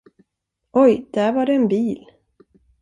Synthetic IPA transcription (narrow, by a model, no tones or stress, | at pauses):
ɔjd̪̥æɾvaɖɛɛnbiːl